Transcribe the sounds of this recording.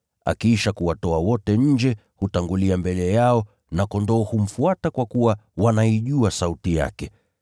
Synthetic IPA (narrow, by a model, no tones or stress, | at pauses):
a̰kiʃakuwatɔawɔtɛɲ̩d͡ʒɛ | hutaŋɡuliambɛlɛjaɔ | nakɔndɔːhum̩fuatakwakuwawanaiʄuasautija̰kɛ